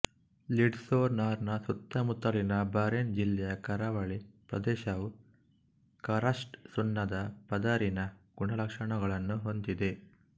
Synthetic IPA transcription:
liɖsoːɾnaːɾnɐsut̪ːɐmut̪ːɐɭinɐbaːɾend͡ʒilːɐjɐkɐɾaʋɐɭipɾɐ̰d̪ɛːʃɐʋu | kɐɾɐsʈsunːɐd̪ɐpɐd̪aɾinɐɡ̥uɳɐlɐkʂɐɳɐɡɐɭɐnːuɦo̞nd̪id̪e

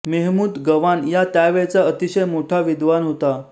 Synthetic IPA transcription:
meɦmuːd̪ɡəʋanjat̪jaʋeɭt͡saət̪iɕəjmoʈʰaʋid̪ʋanɦot̪a

